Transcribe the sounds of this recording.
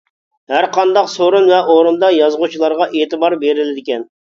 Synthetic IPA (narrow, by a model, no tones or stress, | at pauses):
hæɾqʰɑnd̪ɑqsoɾunvɛʔoɾund̪ɑjɑzʁut͡ʃʰilˠɑɾʁɑʔeːt̪ɨbɑɾbeɾɪlɪd̪ɪkʲɛn